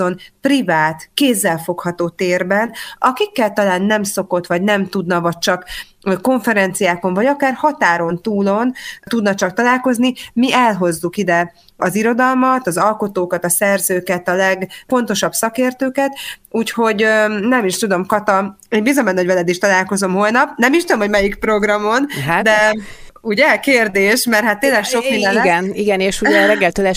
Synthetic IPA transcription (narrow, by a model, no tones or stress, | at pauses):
onprivaːt̪keːzːɛlfo̞khɒt̪oːt̪eːrbɛnɒkikːɛlt̪ɒlaːnːɛmso̞ko̞t̪ʋɒɟnɛmt̪ud̪nɒvɒc̚t͡ʃɒk | ko̞ɱfɛɾɛnt̪sijaːko̞ɱvɒɟɒkaːrhɒt̪aːɾo̞nt̪uːlo̞nt̪ud̪nɒt͡ʃɒkt̪ɒlaːlko̞znimiɛlɦo̞zːukid̪ɛ | ɒziɾo̞d̪ɒlmɒt̪ɒzɒlko̞t̪oːkɒt̪ɒsɛrzøːkɛt̪ɒlɛɡfo̞nt̪o̞ʃɒbsɒkeːrt̪øːkɛt̪uːcho̞ɟnɛmiʃt̪ud̪o̞mkɒt̪ɒeːɲbizomɛnːɒoɟvɛlɛd̪eːʃt̪ɒlaːlko̞zo̞mɦo̞lnɒp̚nɛmiʃt̪ud̪omho̞ɟmɛjikpro̞ɡrɒmo̞nd̪ɛ | uɟɛkeːrd̪eːʃmɛrhat̪ːeːlːɛkʃo̞kmind̪ɛnɡɛniɡɛneːʃuɛɾɛɡːɛlt̪ølɛ